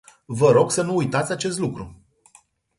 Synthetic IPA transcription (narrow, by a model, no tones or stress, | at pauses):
vəɾo̞ɡsənuːjt̪at̪sʲat͡ʃe̞st̪lukɾu